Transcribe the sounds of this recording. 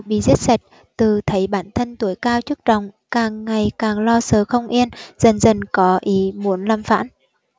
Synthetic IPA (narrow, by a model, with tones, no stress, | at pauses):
ɓḭ˧˨zi˦˥t̚sa˨˩jt̚ | t̪ɨ˨˩t̪ʰə˨˦jɓaː˧˩nt̪ʰə˧nt̪u˨˩˦əjkaː˧wt͡ɕɨ˦˥ək̚t͡ɕɔ˨˩wŋ͡m | kaː˨˩ŋːa˨˩jkaː˨˩ŋlɔ˧səː˨˩xə˧wŋ͡mʔi˧ənz̥ə˨˩nzə˨˩nkɔ˨˦ʔi˨˦mu˨˦ənlaː˧mfa̰ː˧˥n